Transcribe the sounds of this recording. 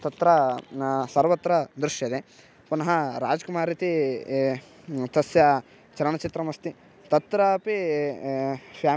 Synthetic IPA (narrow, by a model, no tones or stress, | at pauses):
t̪ɐt̪ɾɐ | sɐɾʋɐt̪ːɾɐd̪ɾuʃjɐd̪e | kunɐɦɐɾaːd͡ʒɐkumaːɾit̪i | t̪ɐsjɐ | t͡ʃɐɾɐɳɐt͡ʃit̪ɾɐmɐst̪i | t̪ɐt̪ɾɐpi | pjaː